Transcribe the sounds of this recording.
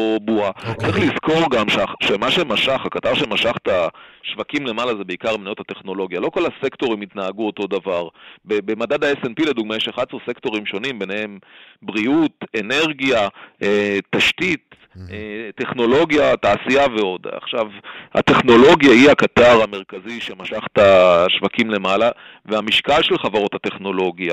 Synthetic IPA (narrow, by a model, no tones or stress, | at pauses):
obuatt͡sʁiχlizko̞ʁɡamʃaʃemaʃemaʃaχhakataʁʃemaʃaχt̪aʃvakimle̞malazebeikaʁmnajothate̞χno̞lo̞ɡjalo̞ko̞lasekt̪o̞ʁimit̪naːɡuo̞to̞d̪avaʁbebemadadaesenpile̞d̪uɡ̚majeʃeχadsoʁse̞kto̞ʁimʃo̞nimbe̞nee̞mbʁiute̞ne̞ʁɡjaetaʃtit̪ | etːe̞χno̞lo̞ɡjataːsiaveo̞d̪a̰χʃavha̰t̪e̞χno̞lo̞ɡjahiakat̪aʁameʁ̞kaziʃemaʃaχtaʃvakimle̞mala | veamiʃkalʃelχavaʁo̞that̪e̞χno̞lo̞ɡija